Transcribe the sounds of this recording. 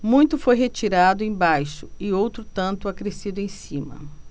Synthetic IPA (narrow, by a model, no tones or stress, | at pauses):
mũj̃t̪ʊfojɦet͡ʃiɾad̪ʊẽj̃bajʃʊɪowt̪ɾʊt̪ɐ̃nt̪ʊakɾesid̪ʊẽj̃sĩmɐ̰